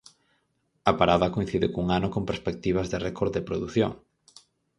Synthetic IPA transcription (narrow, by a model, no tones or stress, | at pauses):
apaɾaðakojn̟θiðɪkuŋanokompeɾspek̚t̪iβɐzðerekoɾd̪epɾoðuθjoŋ